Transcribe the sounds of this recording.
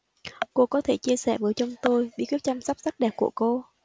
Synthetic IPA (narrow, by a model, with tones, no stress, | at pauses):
ko˧kɔ˨˦t̪ʰe˧˩t͡ɕi˧əsɛ̰˧˩vəː˨˦jt͡ɕɔ˧wŋ͡mt̪o˧jɓḭ˧˥tkwi˦˥t̚t͡ɕa˧msa˦˥p̚sa˦˥k̚ɗɛ˨˩p̚ku˧˩əko˧